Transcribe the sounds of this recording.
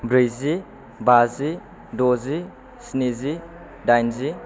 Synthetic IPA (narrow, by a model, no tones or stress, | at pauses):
bɾɯjzi | bazi | dozi | snizi | dajnzi